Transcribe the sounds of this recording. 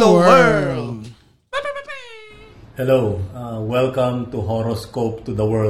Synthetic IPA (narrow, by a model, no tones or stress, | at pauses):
hɛlowawɛlkɐ̃mt̪uɦɔɾoskop̚t̪ʊd̪ɐwɛ